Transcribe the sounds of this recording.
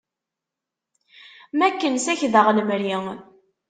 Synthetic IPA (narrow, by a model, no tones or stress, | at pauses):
mækːənsæçðəʁləmɾiŋ